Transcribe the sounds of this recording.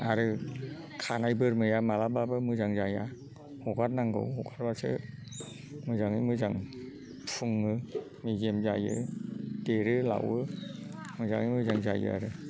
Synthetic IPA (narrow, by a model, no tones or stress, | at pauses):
aɾɯ | kʰanajbɯɾmɯjamalababɯmɯzaŋzaja | hoɡat̚naŋɡɯ̰whɔkʰaɾ̚basʰɯ̰ | mɯzaŋɯmɯzaŋ | pʰuŋɯ | miɡemzajɯ̰deɾɯla̰wɯmɯza̰ŋɯjmɯzaŋzajɯ̰a̰ɾɯ